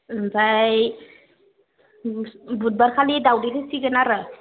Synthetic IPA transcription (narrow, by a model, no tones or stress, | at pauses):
ɯnzaj | but̚baɾkʰalidawdilesiɡɯnaɾɯ